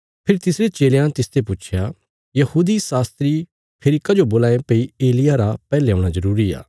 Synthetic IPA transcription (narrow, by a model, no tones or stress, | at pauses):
pʰɪɾt̪ɪsɾet͡ʃeːlejãt̪ɪst̪epʊt͡ʃʰja | jɐhuːd̪isaːst̪ɾi | pʰeːɾɪkad͡ʒoboːlaːẽpeieːlɪjaɾapɛːleõːɽ̃azɐɾuːɾia̰ː